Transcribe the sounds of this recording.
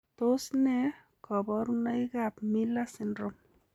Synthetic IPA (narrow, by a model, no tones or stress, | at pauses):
t̪osnɛ | kʰɔbɔɾunaikapmilasɪndɾɔm